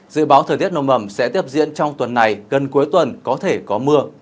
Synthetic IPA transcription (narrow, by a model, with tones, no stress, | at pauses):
zɨ̰˧˨ɓaː˨˦wt̪ʰəː˨˩jt̪i˦˥t̚no˧˩mʔə˧˩msɛ̰˧˥t̪i˦˥əp̚zḭ˧˥ənt͡ɕɔ˧wŋ͡mt̪wə˨˩nːa˨˩jɣə˨˩nku˨˦əjt̪wə˨˩nkɔ˨˦t̪ʰe˧˩kɔ˨˦mɨ˧ə